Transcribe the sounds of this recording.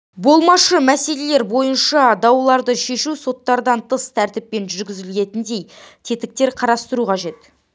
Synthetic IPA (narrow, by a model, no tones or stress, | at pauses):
bo̞lˠmɑʃəmæse̞le̞le̞ɾbo̞jənʃɑd̪ɑwlˠɑɾd̪əʃe̞ʃuso̞t̪ːɑɾd̪ɑnt̪ʰəst̪ʰæɾt̪ɪp̚ːe̞nʒʏɾɡʲɪzɪlɡʲe̞t̪ɪnd̪e̞jt̪ʰe̞t̪ɪk̚t̪e̞ɾqʰɑɾɑst̪əɾuqʰɑʒe̞t̪